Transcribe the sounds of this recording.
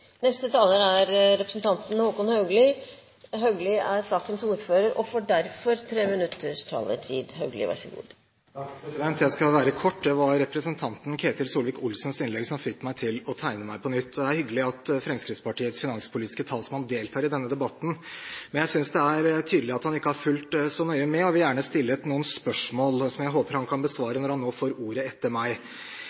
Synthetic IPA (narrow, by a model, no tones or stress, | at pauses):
nɛst̪ət̪ʰɑːləɾæɾɾɛpɾəsn̩t̪ʰɑnt̪n̩huːkʊnhɑʉɡlɪ | ɦœɡlɪæɾsɑːkənsuːɾføːɾəɾʔɔfoːɖæɾfɔɾt̪ʰɾeːmɪnʉt̪ʰːəʂtʰɑ̰ːlə̰ʈʰḭːd̪ɦœʉɡlɪ̰ʋæ̰ʂəɡṵːd̪ | ɑɛsd̪ɛnt̪jæɪskɑʋæːɾəkʰɔʈːd̪ɛʋɑɾɾɛpɾəsənt̪ʰɑnt̪n̩kʰeːt̪ɪlsuːlʋɪkʊlsnsɪnlɛɡsɔmfɪkːmæɪt̪ʰɪlɔt̪ʰæɪnəmæɪpʰɔnʏt̪ːd̪ɛæɾhʏɡːəlɪɑt̪fɾɛmskɾɪt̪spɑʈiːət̪sfɪnɑnspʰʊliːt̪ɪ̥skət̪ʰɑːlsɔmɑnd̪eːlt̪ʰɑːɾɪd̪ɛnːəd̪ɛbɑt̪ːn̩mɛnjæɪsʏnsd̪ɛæɾt̪ʰyːd̪lɪɑt̪hɑnɪkːəhɑɾfʉlt̪sɔnœʏəmɛɔʋɪljæːɳəst̪ɪlːəɛt̪nuːənspœʂmoːlsɔmjæɪɦoːpəɾhɑnkʰɑnbəsʋɑːɾənɔɾhɑnːoːfoːɾuːɾəɛt̪ːəɾmæɪ